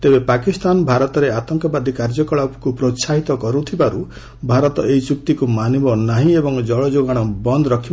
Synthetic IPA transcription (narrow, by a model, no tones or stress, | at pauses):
t̪ebepakist̪anɔbʱaɾɔt̪ɔɾeat̪ɔŋkɔbad̪ʱikaɾd͡ʒɔkɔɭapkupɾosaɦit̪ɔkɔɾut̪ʰibaɾu | bʱaɾɔt̪ɔeit͡ʃuk̚t̪ikumanibɔnaɦĩebɔŋd͡ʒɔɭɔd͡ʒoɡaɽ̃ɔbɔnd̪ɔɾɔkʰib